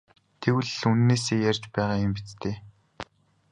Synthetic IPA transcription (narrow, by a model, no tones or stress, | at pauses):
t̪ʰewɘ̆ɮunːeːseːjærʲt͡ɕpæːʁaːʊmpit͡st̪ʰeː